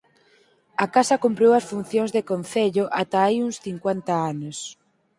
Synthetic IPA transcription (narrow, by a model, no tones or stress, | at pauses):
ɐkasɐkumpɾewɐsfun̟θjoŋzðekon̟θeʎʊʔat̪aajuŋsθiŋkwent̪ɐanos